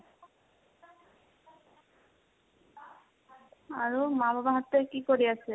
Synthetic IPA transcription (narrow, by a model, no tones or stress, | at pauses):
aɹumabʱabaɦat̪ekikoɹiasʰɛ